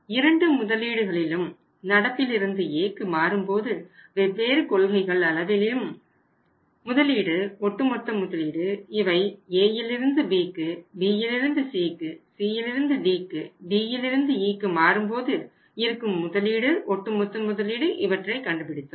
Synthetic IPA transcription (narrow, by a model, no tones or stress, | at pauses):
ɪɾɐɳɖɯmʊðɐliːɽɯɣɐɭɪlɯm | nɐɽɐpːɪlɪɾɯnd̪ɯeːkːɯmaːɾɯmpoːðɯʋɛbːeːɾɯkɔɭɣɐɪɣɐɭɐɭɐʋɪlɪɯm | ʊðɐliːɽɯɔʈːɯmɔt̪ːɐmːʊðɐliːɽɯɪʋɐɪeːjɪlɪɾɯnd̪ɯbiːkːɯbiːjɪlɪɾɯnd̪ɯsiːkːɯsiːjɪlɪɾɯnd̪ɯɖiːkːɯbiːjɪlɪɾɯnd̪ɯiːkːɯmaːɾɯmpoːðɯ | ɪɐɾɯkːɯmːʊðɐliːɽɯʔɔʈːɯmɔt̪ːɐmːʊðɐliːɽɯʔɪʋɐʈrɐɪkɐɳɖɯpɪɽɪt̪ːɯm